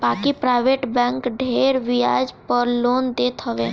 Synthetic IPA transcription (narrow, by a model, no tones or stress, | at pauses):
baːkipɾaːɪʋeʈbɛ̃ːŋkɖʱeɾʋija̰ːd͡ʒpəɾloːnd̪eːt̪ɦəʋe